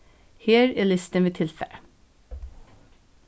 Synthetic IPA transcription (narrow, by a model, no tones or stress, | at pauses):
heːɹeːlɪst̪əʋeːt̪ʰɪlfɛ̰ɾə